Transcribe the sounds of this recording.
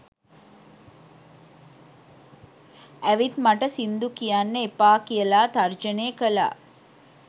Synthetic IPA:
ɐʋit̪mɐʈɐsind̪ukijaːnːeepaːkijɐlaːt̪ɐɾd͡ʒɐneːkɐla̰ː

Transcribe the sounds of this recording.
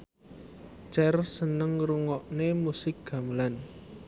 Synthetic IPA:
t͡ʃɛrsənəŋɾuŋɔʔnemusɪk̚ɡ̥a̤məlan

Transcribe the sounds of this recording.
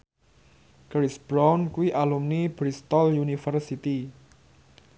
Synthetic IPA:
kɾisb̥ɾawnkuwiʔalumnibɾist̪ɔljunifərsit̪i

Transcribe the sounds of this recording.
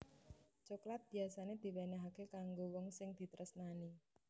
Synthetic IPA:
t͡ʃoklat̪̚b̥i̤asaned̪̥i̤wenɛɦakekaŋɡowɔŋsɪŋd̪̥i̤t̪ɾʔəsnani

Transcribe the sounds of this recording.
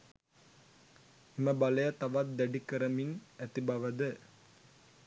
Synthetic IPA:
imɐbɐlɐjɐt̪ɐʋɐt̪̚d̪ɛɖikɐɾɐminɛt̪ibɐʋɐd̪ɨ

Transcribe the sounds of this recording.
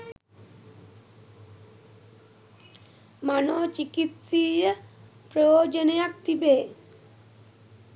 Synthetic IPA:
manot͡ɕikit̪si | pɾojod͡ʒonejak̚t̪ibe

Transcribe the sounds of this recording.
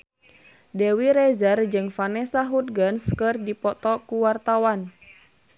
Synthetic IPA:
dewiɾɛzərd͡ʒɨŋfanɛsaɦut̪̚ɡənskɨrdipɔt̪ɔkuwart̪awan

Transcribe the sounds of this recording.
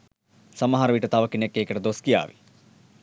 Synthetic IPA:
sɐmɐɦaːɾɐʋiʈːɐt̪aʋɐkːinekːeːkːɐʈɐd̪oskija̰ːʋḭ

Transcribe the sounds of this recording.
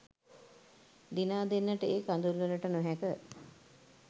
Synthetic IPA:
d̪inaːd̪enːəʈəeːkand̪ulʋələʈənoɦækə

